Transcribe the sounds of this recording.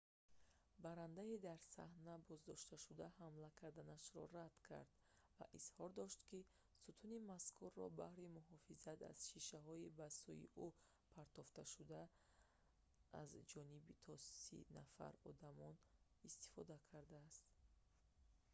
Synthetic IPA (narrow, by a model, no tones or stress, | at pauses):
baɾand̪aid̪aɾsa̰hnabɔzd̪ɔʃt̪aʃud̪ahamlakʰaɾd̪anaʃɾɔ̰rad̪̥kʰa̰ɾd̪̥ | va̰ʔiz̥hɔɾd̪ɔʃt̪ki | sut̪ʰunimaskʰurːɔbahɾimuɦɔfizat̪a̰z̥ʃiʃaɦɔibasujḭʔu | pʰaɾt̪ɔft̪aʃud̪a | ʔa̰zd͡ʒɔnibit̪ʰɔsḭnafa̰ɾɔ̰d̪amɔn | ist̪i̥fɔd̪akʰaɾd̪aːst̪